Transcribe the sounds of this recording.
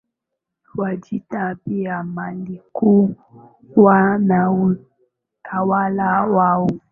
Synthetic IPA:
wad͡ʒitapiamaliku | wanau | tʰawalawawu

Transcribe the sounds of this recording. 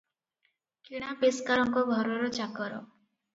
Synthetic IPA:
kiɽ̃apeskaɾɔŋkɔɡʱɔɾɔɾɔt͡ʃakɔɾɔ̰

